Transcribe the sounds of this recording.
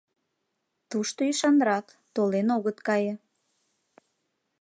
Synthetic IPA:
t̪uʃt̪oiʃɑnd̪əɾɑt̪ːolenoɣət̪kɑje

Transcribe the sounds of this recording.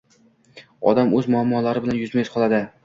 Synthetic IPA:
ɒ̰d̪amɵzmʊamːɒlaɾɪbɪlanjʊzmesqʰɒlˠad̪ɪ

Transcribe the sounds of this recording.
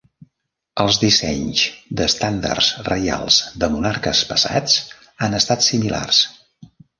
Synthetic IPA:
əlˠzðisɛɲzd̪əst̪and̪ə̰rzrəja̰lˠzðəmunarkəspəsa̰t͡s | anəst̪at̪simila̰rs

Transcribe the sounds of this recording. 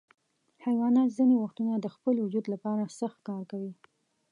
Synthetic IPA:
hajwɑnɑt̪zinewaxt̪unad̪əxpəlwʊd͡ʒud̪lapɑɾasaxt̪̚kɑɾkawi

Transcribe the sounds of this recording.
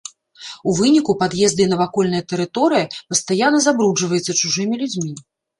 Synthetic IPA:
uvɨnʲikupad̪jɛzd̪ɨinɐvakɔlʲnɐjɐt̪ɛɾɨt̪ɔɾɨjɐpɐst̪ajanːɐzabɾud͡ʐɨvɐjɛt̪sɐt͡ʂuʐɨmʲilʲud͡zʲmʲi

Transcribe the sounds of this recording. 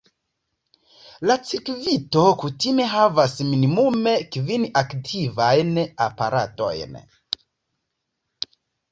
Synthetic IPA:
lat͡sikvito̞kutime̞ɦavasminimume̞kvinaktʰivajnapa̰ɾʔa̰to̞̰jn

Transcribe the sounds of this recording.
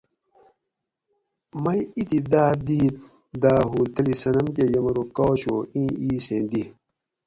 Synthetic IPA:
mɐjit̪id̪aːd̪iːt | d̪aːɦuːlt̪ɐlisɐnɐmkejɐmɐɾokowɕoĩːiːsẽːnd̪i

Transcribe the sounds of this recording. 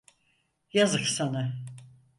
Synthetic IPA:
jazɯksana

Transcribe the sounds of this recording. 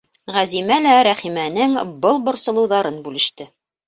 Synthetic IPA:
ʁæzimælæɾæχimænɘŋbɤlˠbŏɾsɤ̆lˠɤ̆wðɑɾɤnbʉlɘ̆ʃt̪ɘ

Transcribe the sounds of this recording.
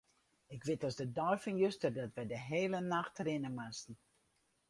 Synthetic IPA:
ɪkʋɪtɔzdədɔjfɔnjøstərdɔtʋɛjdəɦeːlənaxtrɪnəmastn̩

